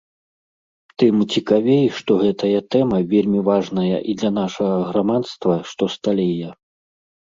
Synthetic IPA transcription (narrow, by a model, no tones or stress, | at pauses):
t̪ɨmt͡sʲikavʲejʂt̪ɔɣɛt̪ɐjɐt̪ɛmɐvʲelʲmʲivaʐnɐjɐ̰ʔid̪lʲɐn̪aʂɐɣɐɣɾamat̪st̪vɐʂt̪ɔst̪alʲɛjɐ